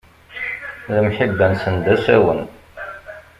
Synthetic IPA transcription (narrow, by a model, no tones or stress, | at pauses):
ðəmħibːænsənd̪æsæwən